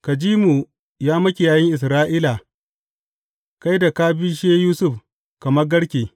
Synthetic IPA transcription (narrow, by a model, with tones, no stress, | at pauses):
ka˨d͡ʒiː˦mu˨ | jaː˦mɐ˦kʲi˨jaː˨jɪ˦ŋʔɪ˨s̬ɾaː˦ʔiː˦la˨ | ka˦jda˨kaː˦bi˦ʃeː˦juː˦sʊ˦˨ɸ | kɐ˨mɐ˦rɡɐ˦ɽkʲeː˨